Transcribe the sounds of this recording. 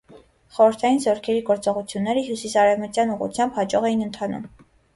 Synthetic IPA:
χɔɾəɾt̪ʰɑjinzɔɾkʰɛɾiɡɔɾt͡sɔʁut͡sʰjunːɛɾəɦjusisɑɾɛvmət̪jɑnuʁṵt͡sʰjɑmbhɑd͡ʒɔʁɛjinənt̪ʰɑnṵm

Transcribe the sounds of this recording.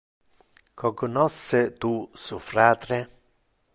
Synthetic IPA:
kɔkunɔsːet̪usufɾaːt̪ɾe

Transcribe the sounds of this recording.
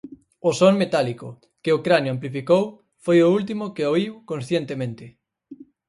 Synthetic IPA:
osoŋmet̪alikʊ̰ | kɪokɾanjoamplifikow | fojʊult̪̬imʊkeoiwkõnsθjent̪emẽnt̪ɪ

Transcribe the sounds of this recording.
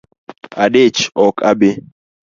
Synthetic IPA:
aɗet͡ʃɔkʰabe

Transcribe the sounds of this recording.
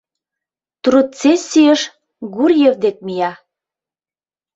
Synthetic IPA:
t̪ɾot͡sesʲːiəʃ | ɡurjevd̪et̪̚mijɑ

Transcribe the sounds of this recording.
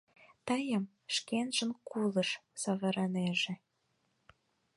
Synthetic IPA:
t̪əjəm | ʃkenʒə̆nkuləʃsɑvəɾɑneʒĕ

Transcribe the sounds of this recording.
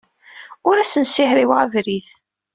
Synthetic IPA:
ʊɾæsənsiħɾiwʁavɾið

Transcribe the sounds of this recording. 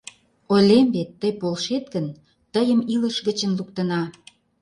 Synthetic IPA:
olʲembet̪ːəjpolʃet̪̚ɡən | t̪əjəmiləʃɣət͡ɕənluk̚t̪ə̆nɑ

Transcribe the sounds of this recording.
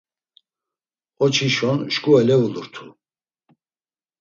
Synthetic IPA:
ɔt͡ʃʰiʃɔnʃkʼuɛlɛuluɾt̪ʰu

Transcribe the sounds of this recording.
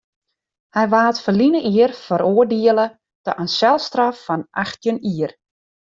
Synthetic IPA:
hɛjʋaːtfəlinəʔiərfəɾʔoərdiəlˠə | tɔʔənsɛlˠstrafːɔnʔaxtjəniər

